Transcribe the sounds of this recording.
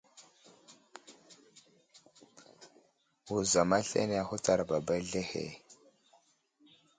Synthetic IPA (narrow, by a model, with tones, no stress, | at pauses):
wu˨za˨ma˦ɬḛ˦ne˦a˨hu˦ta˦ɾba˨ba˦jɮe˦hḛ˨